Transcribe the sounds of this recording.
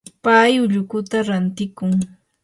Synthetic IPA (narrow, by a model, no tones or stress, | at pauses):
pajʊʎʊkʊt̪aɾant̪ɪkʊŋ